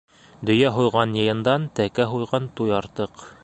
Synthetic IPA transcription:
d̪ɵ̆jæɦujʁɑnjɤ̆jɤ̆nd̪ɑnt̪ækæɦujʁɑnt̪ujɑɾt̪ɤq

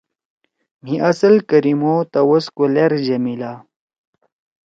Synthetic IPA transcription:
m̤iʔɐsɐlkɐɾimot̪ɐwoskoleɾd͡ʑɐmila

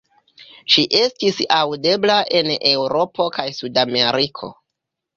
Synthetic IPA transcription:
ʃiʔe̞stisawde̞blaʔe̞ne̞wɾo̞po̞kajsudame̞ɾikʰo̞̰

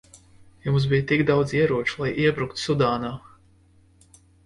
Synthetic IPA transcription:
jumsbijt̪ikd̪awd̪ziɛɾuɔt͡ʃulˠajʔiɛbɾukt̪sud̪aːnaː

